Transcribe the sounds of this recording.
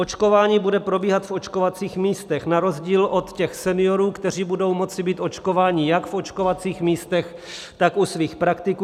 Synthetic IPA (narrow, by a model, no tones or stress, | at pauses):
ʔot͡ʃko̞vaːɲiːbudɛpɾo̞biːɦat̪fo̞t͡ʃkovat͡siːxmiːst̪ɛxnaɾo̞zɟiːlʔo̞t̪cɛxsɛnɪjo̞ɾuːkt̪ɛr̝iːbudo̞wmo̞t͡sɪbiːt̪ʔo̞t͡ʃko̞vaːɲɪjakfo̞t͡ʃkovat͡siːxmiːst̪ɛx | t̪akusviːxpɾakt̪ɪkː